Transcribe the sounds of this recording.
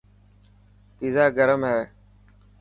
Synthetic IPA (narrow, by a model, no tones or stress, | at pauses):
piːzaːɡəɾəmɦɛː